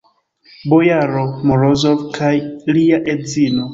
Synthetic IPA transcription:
bojaɾomoɾozolkʰajliaʔezino

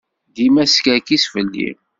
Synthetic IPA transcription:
d̪imæskækisfəlːḭm

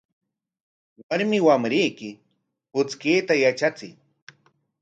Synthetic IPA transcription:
waɾmɪwamɾɪjkɪ | pʊt͡skiːt̪ajat͡ʃat͡sɪ̰j

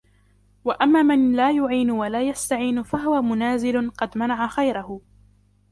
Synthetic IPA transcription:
waʔamːaːmanlaːjʊʕiːnʊwalaːjast̪aʕiːnfaɦʊwamʊnaːzɪlʊqɑd̪manaʕaxajɾahʊ

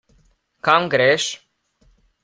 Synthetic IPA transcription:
kamɡɾeʃ

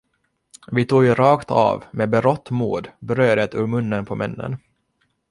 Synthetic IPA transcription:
vɪt̪ʰuːɡjɾɑːkt̪ʰɑ̰ːvmeːbɛɾɔt̪ːmuːd̪bɾøːd̪ət̪ɵːɾmɵnːənpʰɔmʔɛnːə̰n

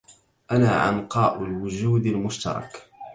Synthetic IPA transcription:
ʔanaːʔɑ̰nqɑːʔʊlwʊd͡ʒuːd̪almʊʃt̪ɑ̰ɾˤɑ̰k

